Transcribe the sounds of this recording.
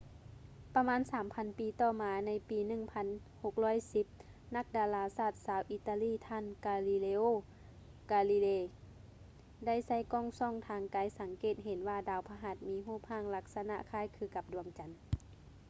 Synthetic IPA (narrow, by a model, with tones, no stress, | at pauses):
pa˧maː˧˥˨nsaː˨˦mpʰa˧˥npiː˨˧˦t̪ɔː˧˩maː˨˦na˧˥jpiː˨˦nɯ˧˩˨ŋpʰa˧˥n | ho˧˦k̚lɔː˧˥˨jsi˧˦p̚ | na˧˥k̚daː˨˧laː˧saː˧˩t̪̚saː˨˦wʔiː˧t̪aː˧liː˧˥˨t̪ʰaː˧˥˨nkaː˧li˧leː˧ʔoː˧˨ | kaː˧li˧leː˧˩ | da˥˩˨jsa˧˥˩jkɔː˧˥˨ŋsɔː˧˥˨ŋt̪ʰaː˨˧ŋkaː˨˦jsa˨˦ŋkeː˧˨˩t̪̚ɦe˨˦nʋaː˧˩daː˨˧˩wpʰaː˧ɦa˧˦t̪̚miː˧˥ɦuː˥˩p̚haː˧˥˨ŋla˧k̚sa˧na̰˧ʔkʰaː˧˥˨jkʰɯː˧˩ka˧˦p̚du˨˩˦əŋt͡ɕa˨˦n